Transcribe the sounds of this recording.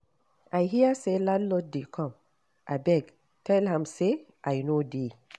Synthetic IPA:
ʔajɦiaseladlɔt̚dekʰɔ̃m | ʔabɛɡ | tɛlhãmseʔajnode

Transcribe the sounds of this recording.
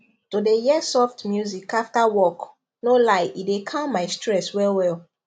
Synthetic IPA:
tudejɛsɔftmjuzikaftawɔk | nolaɪidekʰãmaɪstʰɹɛswɛlwɛl

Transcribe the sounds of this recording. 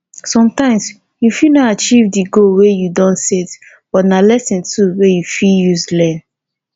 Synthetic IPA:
sɔ̃mtãɪ̃ms | jufinɔtat͡ʃivdiɡolwejudɔ̃ntsit | b̥ɔtnalɛsɛ̃ntʰuwejufiljuzlɛ̃n

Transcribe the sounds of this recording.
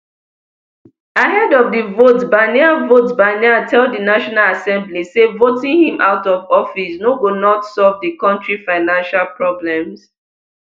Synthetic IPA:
aɦɛdɔvdəvotbaniavotbaniatʰɛlddənaʃɔnalasɛ̃mblisevotĩŋhĩmʔa̰ʊtɔvɔfisnoɡonɔtsɔlvdikɔ̃ntɹifaɪnãnʃalpʰɹɔblɛ̃ms

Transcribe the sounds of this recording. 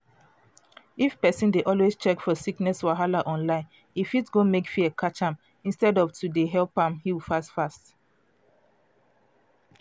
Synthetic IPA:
ifpɛsĩndeʔɔlwezt͡ʃɛkfɔsiknɛswaɦalaʔɔ̃nlãɪ̃n | ifitɡomekfiəkʰat͡ʃãm | ĩnstɛdɔvtʰudeɦɛlpãmhiwifasfast

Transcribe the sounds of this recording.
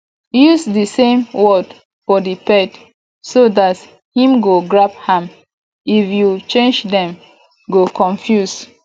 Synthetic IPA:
jusdisẽmwɔd | fɔdipɛt | sodat | hĩmɡoɡɹap̚hãm | ifjut͡ʃẽnd͡ʒdɛ̃m | ɡokʰɔ̃ɱfjus

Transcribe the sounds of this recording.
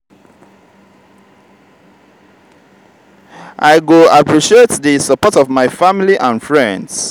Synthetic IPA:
ʔaɪɡoapʰɹiʃietðəsəpɔtɔvmaɪfamiliʔãnfɹɛ̃nds

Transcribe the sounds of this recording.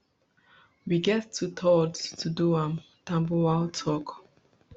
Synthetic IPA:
wiɡɛttʰːutʰɔdtʰuduãm | tãmbuwaltʰɔk

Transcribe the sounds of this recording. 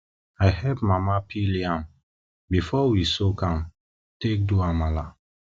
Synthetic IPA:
aɪhɛpmamapʰiliãm | bifɔwisokãm | tek̚duamala

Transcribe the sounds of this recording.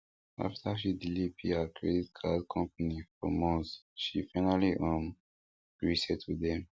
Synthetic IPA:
a̰ftʰaʃidilipihakʰɹɛditkʰadkʰɔ̃mp̚anifɔ̰mɔ̃nsʃifaɪnaliʔɔ̃m | ɡ̥ɹisɛd̚tʰudɛ̃m

